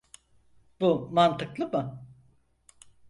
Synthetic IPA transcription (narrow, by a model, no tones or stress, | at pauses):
b̥umant̪ʰɯklˠɯmɯ